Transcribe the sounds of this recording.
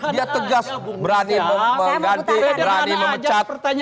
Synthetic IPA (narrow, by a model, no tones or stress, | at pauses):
diat̪əɡasbəɾaniməəmɡant̪ibəɾaniməmət͡ʃat̪